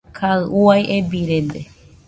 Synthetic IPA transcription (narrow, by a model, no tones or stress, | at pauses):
kʰaɨʔuajʔebiɾed̪e